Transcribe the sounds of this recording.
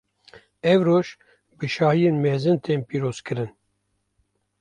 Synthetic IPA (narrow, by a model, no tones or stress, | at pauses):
ɛvɾoːʃ | bɨʃɑːhijeːnmeːzɨnt̪ʰeːnpiːɾoːz̥kɨɾɨn